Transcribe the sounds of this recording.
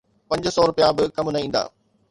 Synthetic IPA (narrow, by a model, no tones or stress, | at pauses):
pɐ̃ɲd͡ʑsɔːɾʊpijabɪkɐmnɐɦĩːnd̪a̰ː